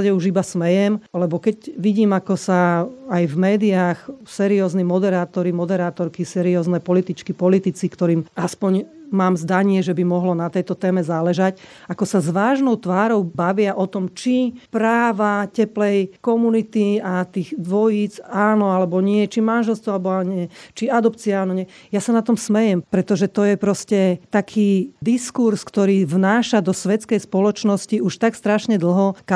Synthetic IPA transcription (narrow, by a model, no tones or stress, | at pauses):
aɟɛuʒibasmɛjɛmlɛbɔkɛɟʋiɟiːmakɔsaːjvmɛːd̪iaːxsɛːɾiɔːznimɔd̪ɛɾaːt̪ɔɾimɔd̪ɛɾaːt̪ɔɾkisɛːɾiɔːznɛpɔlit̪it͡ʃkipɔlit̪it͡sikt̪ɔɾiːmaspɔɲmaːmzd̪aɲɪɛʒɛbimɔɦlɔnat̪ɛjt̪ɔt̪ɛːmɛzaːlɛʒacakɔsazʋaːʒnɔʊt̪ʋaːɾɔʊbaʋɪaʔɔt̪ɔmt͡ʃipɾaːʋacɛplɛjkɔmunit̪iat̪iːɣd̪ʋɔjiːd͡zaːnɔalɛbɔɲɪɛt͡ʃimanʒɛlst̪ʋɔalɛbɔaɲɪɛt͡ʃiad̪ɔpt͡siaaːnɔɲɪɛjasanat̪ɔmsmɛjɛmpɾɛt̪ɔʒɛt̪ɔjɛpɾɔscɛt̪akʰiːd̪iskuɾskt̪ɔɾiːvnaːʃad̪ɔsʋɛt͡skɛjspɔlɔt͡ʃnɔsciuʃt̪akst̪ɾaʃɲɛd̪l̩ˠɦɔka